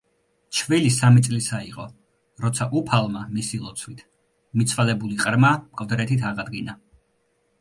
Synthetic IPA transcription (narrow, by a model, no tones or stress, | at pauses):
t͡ʃʰvilisamit̪sʼlisaiqʼɔ̰ | ɾɔt̪sʰaʔupʰalˠmamisilˠɔt̪sʰwit̪ʰ | mit̪sʰwalɛbuliqʼɾmamkʼvd̪ɾɛt̪ʰit̪ʰaʁad̪ɡina